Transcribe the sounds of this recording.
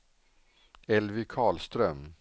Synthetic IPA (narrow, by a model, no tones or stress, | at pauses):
ɛlʋɪkʰɑːɭst̪ɾœm